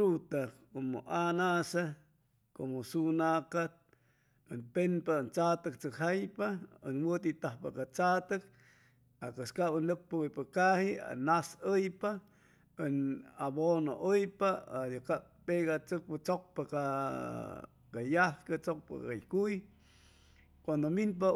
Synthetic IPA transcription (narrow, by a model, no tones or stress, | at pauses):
ut̪akomoʔanasa | komosunakat̪̚ | ɨnpenpant͡sat̪ɨk̚t͡sɨkhajpaə̰nwət̪it̪ahpakat͡sat̪ɨk̚ | akɨskabənɨk̚paujpakahia̰nasəjpa | ənaβono̰ʔəjpaajaka | peɣat͡sɨk̚pat͡sok̚paka | kajahkat͡sok̚pa̰ajkuj | kwand̪ominp̬a